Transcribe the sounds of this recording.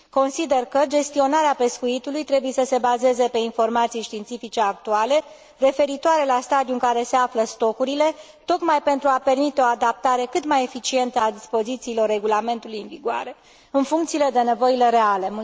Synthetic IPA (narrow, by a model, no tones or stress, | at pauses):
ko̞nsid̪e̞rkəd͡ʒe̞st̪io̞naɾeape̞skuit̪ulujt̪ɾe̞buje̞səse̞baze̞ze̞pe̞info̞rmat̪sijʃt̪iːnt̪sifit͡ʃe̞ak̚t̪uale̞ | re̞fe̞ɾit̪oaɾe̞last̪ad̪iuɨŋkaɾe̞se̞afləst̪o̞kuɾile̞ | t̪o̞kmajpe̞nt̪ɾuape̞rmit̪e̞o̞ad̪ap̚t̪aɾe̞kɨt̪maje̞fit͡ʃie̞nt̪əad̪ispo̞zit̪siːlo̞rːe̞ɡulame̞nt̪ulujɨnviɡoa̰ɾe̞ | ɨnfuŋkt̪sile̞d̪e̞ne̞vo̞ile̞ɾe̞alem